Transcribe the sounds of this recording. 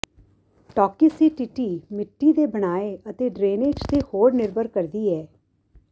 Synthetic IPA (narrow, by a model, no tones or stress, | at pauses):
ʈɔːkiːsiːʈiʈiːmɪʈːiːd̪eːbəɽ̃aːeət̪eːɖɾeːneːd͡ʒt̪eːhoːɾnɪɾbəɾkəɾd̪iːɛː